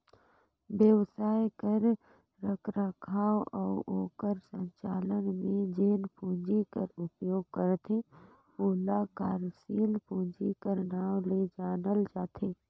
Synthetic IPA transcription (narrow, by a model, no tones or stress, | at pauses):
bjəʋsaːjkəɾ | ɾəkʰɾakʰaːwɔːʔoːkəɾsə̃ɲt͡ʃaːlənmẽd͡ʒeːnpʰũːɲd͡ʒikəɾʊpjoːɡ̚kəɾt̪ʰẽ | oːlakaːɾsiːlpʰũːɲd͡ʒikəɾnaːwled͡ʒaːnəld͡ʒaːt̪ʰeː